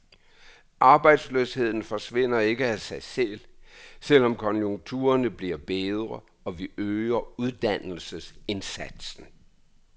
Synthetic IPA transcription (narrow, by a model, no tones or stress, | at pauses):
ʔɑ̈ːb̥ɑ̈ɪd̥sløshe̝ð̞̰ˠn̩fɒ̽sʋe̝n̰ɐe̝ɡ̥əæsɑ̈ɪsel̰sel̰ɒ̽mkʰɒ̽njoŋt͡sʰṵːɐnəb̥liɐb̥eð̞ˠʁɐ | ɒ̽ʋiʔøːɐuð̞ˠd̥ænl̩səse̝nsæd̥sn̩